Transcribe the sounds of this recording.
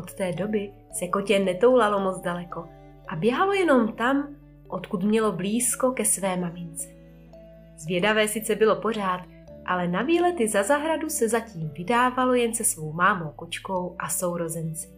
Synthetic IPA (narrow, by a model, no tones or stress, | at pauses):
ʔot̪t̪ɛːdo̞bɪ | sɛko̞cɛnɛt̪o̞wlalo̞mot͡sdalɛko̞ | ʔabjɛɦalo̞jɛno̞mt̪am | ʔo̞t̪kut̪mɲɛlo̞bliːsko̞kɛsvɛːmamɪnt͡sɛ̥ | zvjɛdavɛːsɪt͡sɛbɪlo̞po̞r̝aːt̪̚ | ʔalɛnaviːlɛt̪ɪzazaɦɾadusɛzaciːmvɪdaːvalo̞jɛnsɛsvo̞wmaːmo̞wko̞t͡ʃko̞wʔaso̞wɾo̞zɛnt͡sɪ̥